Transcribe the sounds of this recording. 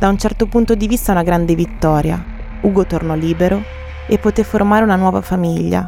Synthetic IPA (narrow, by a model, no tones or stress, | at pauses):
d̪aunt͡ʃɛrt̪opunt̪od̪ivist̪aunaɡɾand̪evit̪ːɔːɾja̰ | uːɡot̪ornɔliːbeɾo | epːot̪efːormaːɾeunanwɔːva̰famiʎːa̰